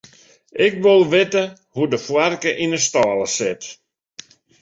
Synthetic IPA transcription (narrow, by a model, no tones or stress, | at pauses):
ɪkʋɪlˠʋɪtə | hudəfwarkəʔinəstaːlˠəsɪt